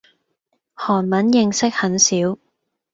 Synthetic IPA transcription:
hɔː˨˩nmɐ˨˥njɪ˧ŋsɪ˥k̚hɐ˨˥nsiː˨˥w

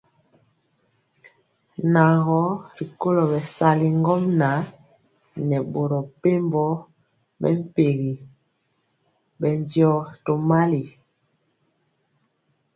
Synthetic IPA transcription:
na˨ɣɔ˦ɾi˨ko˦lo˨bɛ˨sa˦li˨ŋɡɔ˦mna˨˦ | nɛ˨bo˨ɾɔ˨pe˦mbɔ˦ | bɛ̰˦m˦pe˨ɣi˨ | bɛ˨ndjɔ˨to˨ma˦li˨

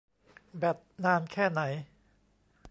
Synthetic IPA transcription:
bɛː˨˩t̪̚naː˥˩nkʰɛː˥˩na˩˦j

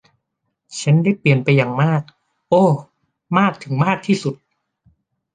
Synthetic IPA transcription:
t͡ɕʰa˦˥nda˥˩jpli˨˩ənpa˧jːaː˨˩ŋmaː˥˩k̚ | ʔoː˧˩ | maː˥˩k̚t̪ʰɯ˩˦ŋmaː˥˩k̚t̪ʰiː˥˩su˨˩t̪̚

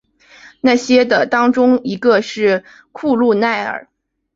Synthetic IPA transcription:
na˥˩ɕjɛ˥d̪ə˨t̪ɑ˥ŋʈ͡ʂʊ˥ŋi˧˥ɡə˧ʂɻ̩˥˩˧ | kʰu˥˧lu˥˧na˥˩ɪə̰˞˨˩˦

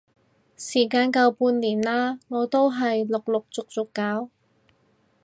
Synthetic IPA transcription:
siː˨˩kaː˧nkɐ˧wpuː˧nliː˨˩nlaː˥ŋɔː˨˧˥t̪o˥wɦɐ˨jlʊ˨k̚lʊ˨k̚t͡sʊ˨k̚t͡sʊ˨kːaː˨˥w

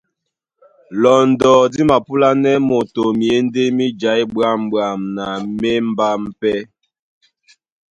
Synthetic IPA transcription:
lɔ˨ndɔ˨di˦ma˨pu˦la˦nɛ˦mo˨to˨mi˨e˦n˦de˦mi˦d͡ʒa˨˦jbɰa˦˨mbwa˨mna˨me˦m̩˦ba˦m̩˦pɛ˦

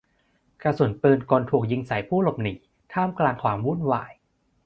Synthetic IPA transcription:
ka˧su˨˩˦npɤː˧nkɔː˧nt̪ʰuː˨˩k̚ji˧ŋsa˨˩˦jpʰuː˥˩lo˨˩p̚niː˨˩˦ | t̪ʰaː˥˩mklaː˧ŋkʰwaː˧mwu˥˨nwa̰ː˨˩j

